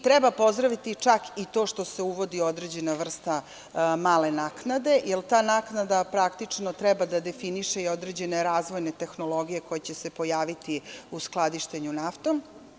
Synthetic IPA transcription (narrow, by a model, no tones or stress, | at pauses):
t̪ɾɛbapo̞zd̪ɾaʋit̪it͡ʂakit̪o̞ːʃt̪o̞se̞uʋo̞d̪io̞d̪ɾe̞d͡ʑe̞naʋr̩st̪a | maːle̞naknad̪e̞jelt̪aːnaknad̪apɾakt̪it͡ʂnot̪ɾɛbad̪ad̪e̞finiʃe̞iod̪ɾe̞d͡ʑe̞neɾaːzʋo̞jne̞t̪e̞xno̞lo̞ɡije̞ko̞jet͡ɕe̞se̞po̞jaːʋit̪iusklˠad̪iʃt̪eɲunaft̪o̞m